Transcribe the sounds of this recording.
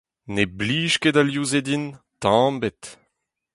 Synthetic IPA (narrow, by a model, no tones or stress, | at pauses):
nebliːʃkedaljuzed̪in | t̪ɑ̃mbet̪